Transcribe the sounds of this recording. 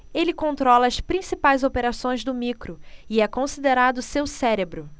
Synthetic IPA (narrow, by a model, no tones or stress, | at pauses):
elɪkõnt̪ɾɔlɐːspɾĩsipajzopeɾasõj̃zd̪ʊmikɾʊiɛkõsid̪eɾad̪ʊsewsɛɾebɾʊ